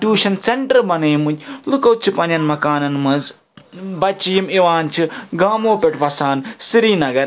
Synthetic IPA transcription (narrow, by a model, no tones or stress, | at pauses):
ʈuːʃɐnseɳʈɐɾbɐneːmuɲʲlukɐwt͡ʃʰipɐnɐnmɐkaːnɐnmɐz | bɐt͡ʃijimiʋaːnt͡ʃʰiɡaːmoːpʲeʈʋɐsaːnsiɾiːnɐɡɐɾ